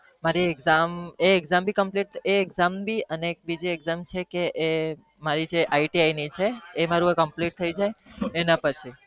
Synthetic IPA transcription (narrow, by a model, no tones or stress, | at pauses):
maɾieɡzameeɡzambʱikəmpliʈeeɡzambʱiəneek̚bid͡ʒeeɡzamt͡ʃʰekeʔe | maɾid͡ʒeʔaiʈiainit͡ʃʰeːmaɾuəkəmpliʈ̚t̪ʰəid͡ʒajenapət͡ʃʰi